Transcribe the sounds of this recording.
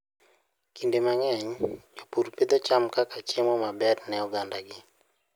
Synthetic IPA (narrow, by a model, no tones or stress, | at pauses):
kindemaŋɛɲd͡ʒopuɾped̪ot͡ʃamkakat͡ʃemɔmabɛrnɛɔɡandaɡɪ